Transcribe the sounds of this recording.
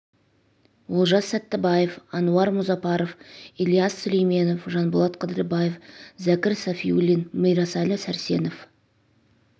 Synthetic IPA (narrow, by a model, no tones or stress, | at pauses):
wolˠʒɑsːæt̪ːɪbɑjefɑnuɑɾmʊzɑpɑɾofilʲˠijasːɵlejme̞nofʒɑnbolˠɑt̪qʰəd̪əɾəbɑjefzækʲɪɾsɑfiulinməjɾɑsɑlʲɪsæɾse̞nof